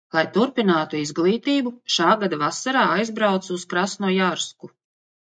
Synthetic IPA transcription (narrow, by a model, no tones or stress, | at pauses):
lˠajt̪uɾpinaːt̪uizɡlˠiːt̪iːbuʃaːɡad̪avasːaɾaːajzbɾawt̪suskɾasnuɔjaɾsku